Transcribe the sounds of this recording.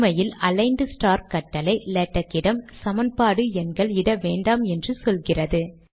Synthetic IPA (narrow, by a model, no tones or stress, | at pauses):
mɐjɪlɐlɐɪnɖɯsʈaːɾkɐʈːɐlɐɪlɛʈːɐkːɪɽɐmsɐmɐnpaːɽɯɛnɡɐɭɪɽɐʋeːɳɖaːmɛndrɯsɔlɣɪrɐðɯ